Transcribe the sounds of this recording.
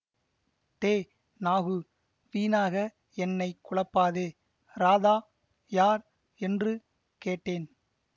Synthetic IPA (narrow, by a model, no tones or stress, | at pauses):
t̪eː | naːɣɯ | ʋiːnaːɣɐ | ɛnːɐɪkʊɭɐpːaːðeː | ɾaːðaː | jaːɾ | ɛndrɯ | keːʈːeːn